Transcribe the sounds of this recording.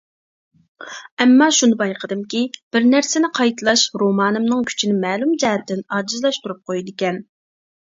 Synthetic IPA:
ɛmːɑʃunɨbɑjqʰəd̪ɨmkʲib̥ɪɾnæɾsɪnɪqʰɑjt̪ʰɨlˠɑʃɾomɑːnɨmnɨŋkʲʰy̥t͡ʃʰinɪmɛːlˠumd͡ʒɛɦɛt̪ːɪnɑːd͡ʒɨzlˠɑʃt̪uɾup̚qʰojid̪ɪkʲɛn

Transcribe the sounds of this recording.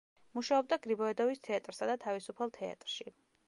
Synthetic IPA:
muʃaɔb̚d̪aɡɾibɔɛd̪ɔvist̪ʰɛat̪ʼɾsad̪at̪ʰavisupʰalˠt̪ʰɛa̰t̪ʼɾʃi

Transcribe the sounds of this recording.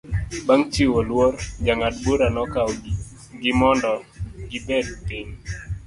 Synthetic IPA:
baŋt͡ʃiwolwɔrd͡ʒaŋat̚boɾanɔkaw | ɡɪmɔndɔɡɪbɛdpiɲ

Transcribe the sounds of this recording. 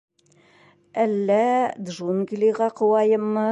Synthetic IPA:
ælːæd̪ʒunɡlʲiʁɑqŏwɑjɤ̆mːɤ

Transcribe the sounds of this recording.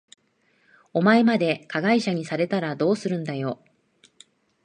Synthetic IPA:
o̞mae̞mad̪e̞kaɡaiɕaɲ̟isaɾe̞t̪aɾad̪o̞ːsɨɾɯ̟̃nd̪ajo̞

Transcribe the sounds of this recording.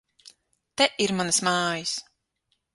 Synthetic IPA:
t̪ɛʔiɾmanɐsmaːjis

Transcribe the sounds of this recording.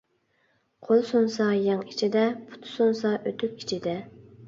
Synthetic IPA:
qʰolˠsonsɑjɑŋit͡ʃʰid̪ɛpʰʊ̥t̪ʰʊ̥sonsɑʔøt̪ʰyk̚ʲʰi̥t͡ʃʰid̪ɛ

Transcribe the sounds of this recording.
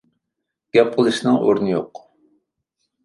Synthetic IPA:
ɡ̥ʲɛp̚qʰəlˠɨʃnɨŋo̰ɾnɨjo̰q

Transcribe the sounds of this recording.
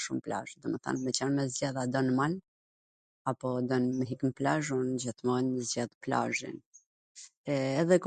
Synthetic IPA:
ʃumpla̰ʒd̪ɔmɛθa̰nmɛt͡ɕanmɛzd͡ʑaðad̪ɔnmal | apɔd̪ɔnmɛɦikmplaʒund͡ʑəθmɔɛnəzd͡ʑaðpla̰ʒḭn | ɛðɛk

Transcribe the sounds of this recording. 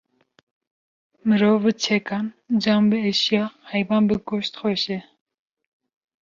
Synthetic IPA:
mɨɾoːvbɨt͡ʃʰɛkɑn | d͡ʒɑmbɨeʃjɑhɛjbɑːnbɨɡoʃt̪xoʃɛ

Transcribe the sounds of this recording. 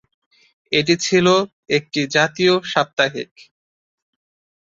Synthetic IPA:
eʈ̬it͡ɕʰilo | ek̚ʈid͡ʑat̪ioʃap̚t̪aɦḭk

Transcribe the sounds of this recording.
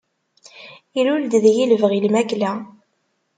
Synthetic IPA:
iɾʊld̪ðjiləvəʁilmæklæ

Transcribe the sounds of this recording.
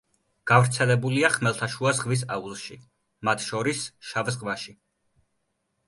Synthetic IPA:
ɡ̥avɾt̪sʰɛlɛbuliaχmɛlˠt̪ʰaʃuazʁvis̬aulˠʃi | mat̪ʰʃɔɾisʃavzʁvaʃi

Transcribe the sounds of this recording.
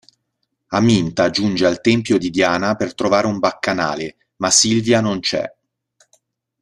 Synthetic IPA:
amint̪ad͡ʒund͡ʒealt̪ɛmpjod̪id̪jaːnapert̪ɾovaːɾeumbakːana̰ːle | masilvjanont͡ʃɛ̰

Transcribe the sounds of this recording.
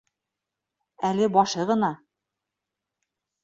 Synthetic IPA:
ælɘbɒʃɤʁɤ̆nɑ

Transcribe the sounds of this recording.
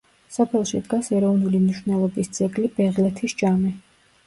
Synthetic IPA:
sɔpʰɛlˠʃid̪ɡasɛɾɔvnulimniʃwnɛlˠɔbist̪z̥ʰʼɛɡlibɛʁlɛt̪ʰisd͡ʒami

